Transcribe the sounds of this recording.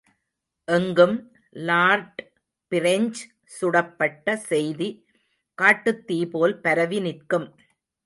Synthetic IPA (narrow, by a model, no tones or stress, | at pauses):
ʔɛŋɡɯm | laːɾʈ | pɪɾɐɲd͡ʒ | sʊɽɐpːɐʈːɐsɛjði | kaːʈːɯt̪ːiːpoːlpɐɾɐʋinɪɾkɯm